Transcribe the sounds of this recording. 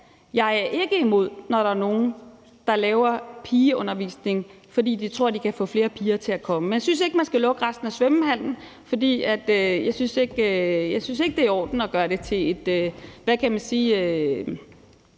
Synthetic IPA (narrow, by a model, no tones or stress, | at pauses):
jɑ̈ɪæɐʔe̝ɡ̥əimo̝ð̞̰ˠnɒɾɑ̈æɐno̝ːn̩ | d̥ɑ̈lɛːʊɐpʰiːɔ̽nɐʋḭːsne̝ŋ | fɒ̽d̥ḭːd̥it͡sʰʁo̝ɐ̰d̥ikʰæfɔ̰̽ːfle̝ːɐpʰiːɐt͡sʰe̝ækʰɒ̽məmenjasynse̝ɡ̥əmænsɡ̥ælɔ̽ɡ̥əʁasd̥n̩æsʋem̩hæl̰n̩ | fɒ̽d̥ḭːæd̥øjɑ̈ɪsynse̝ɡ̥øjɑɪsynse̝ɡ̥əd̥e̝æɐɒ̰ːd̥n̩ɒɡ̥ɶːɐɾe̝t͡sʰe̝e̝d̥øʋækʰæmænsiːø